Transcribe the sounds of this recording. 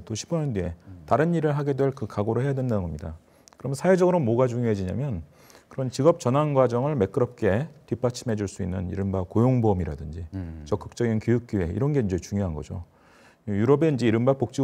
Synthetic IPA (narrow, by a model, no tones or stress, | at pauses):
t͈oɕʰibʌɲʌndue̞taɾɯniɾɯɭɦaɡe̞dwe̞ɭkɯkaɡoɾohe̞jadwe̞ndanɯnɡʌmɲida | kɯɾʌmjʌnsʰaed͡ʑʌɡɯɾomoɡad͡ʑuŋjoɦed͡ʑiɲa̰mjʌn | kɯɾʌnt͡ɕiɡʌp̚t͡ɕʌnanɡwad͡ʑʌŋɯɭme̞k͈ɯɾʌp̚k͈e̞tip͈at͡ɕʰime̞d͡ʑuɭs͈uinːɯnḭɾɯmbakojoŋbomiɾa̰dɯnd͡ʑit͡ɕʌk͈ɯk̚t͡ɕ͈ʌɡinkjojuk̚k͈jie̞̰iɾʌnɡe̞ind͡ʑe̞t͡ɕuŋjoɦanɡʌ̰d͡ʑo̰ | juɾʌbe̞ind͡ʑe̞iɾɯmbapok̚t͡ɕ͈i